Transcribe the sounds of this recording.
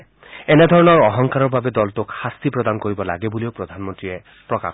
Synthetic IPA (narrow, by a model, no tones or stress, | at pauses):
ened̪ʱɔɹɔnɔɾɔɦɔŋkaɾɔbʱabed̪ɔltokxast̪ipɾɔd̪ankoɾibɔla̰ɡebuliopɾɔd̪ʱanmɔntɹie | pɾɔka̰